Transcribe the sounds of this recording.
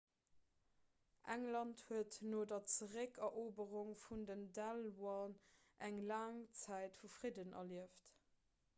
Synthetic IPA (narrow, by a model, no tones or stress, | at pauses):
ʔæŋlɑnthuətnoːdɐt͡səʁəkɐʔoːbəʁuŋfundəndælwɑn | ʔæŋlaːŋt͡sæɪtfufʁidənʔɐ̰liəft